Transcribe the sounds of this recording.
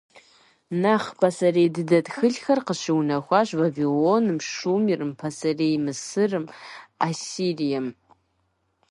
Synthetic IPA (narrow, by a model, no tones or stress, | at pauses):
naχpʰasarejdɨdadxɨɮxarqəʃiwnaxʷaʒʷvavilonɨmʃumirɨmpʰasarejmɨsɨrɨmasirijam